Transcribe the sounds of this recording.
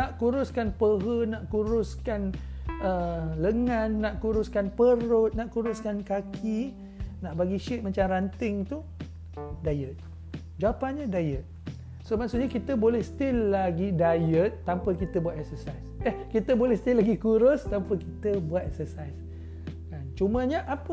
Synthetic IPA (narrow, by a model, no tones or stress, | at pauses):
naʔkuɾʊskanpəɦənaʔkuɾʊskan | ələŋãnːaʔkuɾuskanpəɾʊt̪̚naʔkuɾuskankakʰi | naʔbaɡiʃit̪̚mat͡ʃamrant̪ɪŋt̪u | dajət̪̚ | d͡ʒapanɲadajət̪̚ | somaʔsuʔɲakit̪əbolɛhst̪ɪlːaɡidajət̪̚ːampəkit̪əbuat̪ɛksəsajsɛkit̪əbolɛhst̪ilaɡikuɾʊst̪ampəkit̪əbuat̪̚ɛksəsajs | kant͡ʃumãɲaʔapə